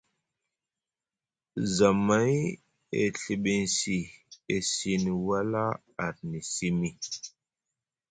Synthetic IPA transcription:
za˨ma˦j | ḛ˨ɬi˨ɓe˨n˨si˨e˨si˨n˨wa˦la˦ | a˨ɾni˨si˦mi˦

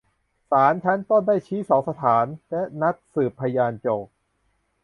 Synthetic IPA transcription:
saː˩˦nt͡ɕʰa˦˥nt̪ɔ˥˩ŋdaː˥˩jt͡ɕʰiː˦˥sɔː˩˦ŋsa˧t̪ʰaː˩˦nlɛ˦˥na˦˥t̪̚sɯː˨˩pʰːa˧jaː˧nt͡ɕoː˨˩k̚

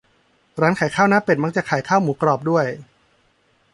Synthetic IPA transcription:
ɾaː˦˥nkʰaː˩˦jkʰaː˥˩wnaː˦˥pe˨˩ma˦˥k̚t͡ɕaː˨˩kʰaː˩˦jkʰaː˥˩wmuː˩˦kɾɔː˨˩p̚du˥˩əj

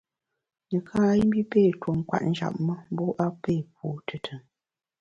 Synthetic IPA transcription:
nə˨kʰaː˦i˦m˦bi˦pe˦˨two˨m˨kwa̰˦t̚n̩˦d͡ʒa̰˨p̚mə˦m̩˦bɔ˦ʔa˦pe˦˨p̚o˨tʰə˨tʰə˨ŋ

